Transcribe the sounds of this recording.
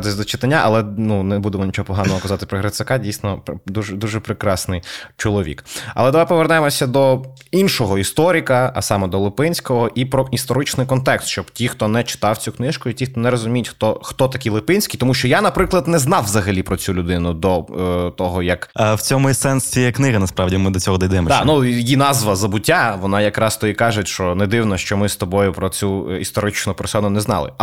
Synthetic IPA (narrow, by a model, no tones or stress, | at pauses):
t̪ɪsʲzʲd̪ɔt͡ʃɪt̪ɐnʲːaʔɐ̰lˠɛnunebud̪emɔnʲit͡ʃɔɦɔpɔɦɑnɔɦɔkɐzɑt̪ɪ̥pɾɔɦɾɐt̪sɐkɑdʲijsnɔpd̪uʒɛd̪uʒɛpɾɪkɾɑsnɪjt͡ʃɔlˠɔʋʲḭkɐ̰lˠɛd̪ɐʋajpɔʋernɛemɔsʲɐd̪ɔ | inʃɔɦɔist̪ɔɾʲikɐɐ̰sɑmɛd̪ɔlˠɪpɪnʲsʲkɔɦɔʔipɾɔist̪ɔɾɪt͡ʃnɪjkɔnt̪ɛkst̪ʃt͡ʃɔbtʲixt̪ɔnɛt͡ʃɪ̥t̪ɑwt͡sʲuknɪʃkʊitʲixt̪ɔnɛɾɔzʊmʲijɪtʲxt̪ɔxt̪ɔt̪ɐkʲilˠɪpɪnʲsʲkʲijt̪ɔmuʃt͡ʃɔjanɐpɾɪklˠɐd̪nɛznɑwʋzɐɦɐlʲipɾɔt͡sʲulʲʊd̪ɪnʊd̪ɔt̪ɔɦɔjɐkawt͡sʲɔmʊsɛnsʲijɛknɪɣɐnɐspɾɑʋdʲimɪd̪ɔt͡sʲɔɦɔd̪ɔjd̪ɛmɔd̪anujinɑzʋɐzɐbʊtʲːaʋɔnɑjɐkɾɑst̪ɔjikɑʒɪtʲʃt͡ʃɔnɛd̪ɪwnɔʃt͡ʃɔmɪst̪ɔbɔjʊpɾɔt͡sʲuist̪ɔɾɪt͡ʃnʊpɛɾrsɔnʊnɛznɑ̰lˠɪ̰